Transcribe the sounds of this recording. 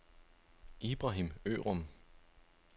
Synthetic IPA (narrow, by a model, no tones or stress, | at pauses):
ʔib̥ʁɑɦimø̰ːʁɔm